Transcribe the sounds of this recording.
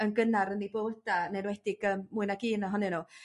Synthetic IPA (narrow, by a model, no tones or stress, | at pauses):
ənɡənaɾənːiboːdanɛnwɛd̥ɪɡəmmuɨnaɡ̥iːnɔɦɔnɛnu